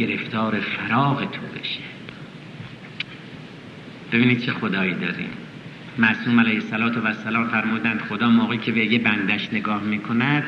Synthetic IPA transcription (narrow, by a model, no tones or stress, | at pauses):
e̞ɾeft̪ʰɒːɾefæɾɒːɣet̪ʰo̰be̞ʃe̥ | b̥e̞biːniːd̪̚t͡ʃʰe̞xod̪ɒːiːd̪ɒːɾḭːm | mæsuːmælæjhesːælɒːt̪ʰevæsːælɒːmfæɾmuːd̪ænd̪χod̪ɒːmoːɣeːkcʰe̞bejebænd̪æʃne̞ɡɒːhmiːkʰonæd̪̥